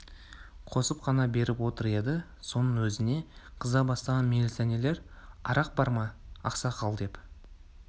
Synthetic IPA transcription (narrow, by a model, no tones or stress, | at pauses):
qʰo̞səpqɑnɑbe̞ɾɪpwo̞t̪əɾe̞d̪ɪ | so̞nəɴwɵzɪne̞qʰəzɑbɑst̪ɑʁɑnmelʲit̪sænele̞ɾɑ̰ɾɑq̚bɑɾmɑɑ̰qsɑqʰɑlˠd̪e̞p